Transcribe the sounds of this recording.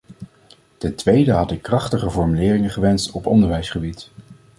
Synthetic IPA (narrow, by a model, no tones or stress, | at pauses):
tɛntʋejdəɦɑtɪkːrɑχtəχəvɔɹmylɪːrɪŋəχəʋɛnstɔpɔ̰ndəɹʋɛjsχəbit